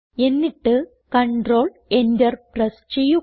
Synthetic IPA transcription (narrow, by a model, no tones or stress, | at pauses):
e̞nːiʈːɨ | kɐɳɖro̞ːɭ | endɐrprɐst͡ɕejːu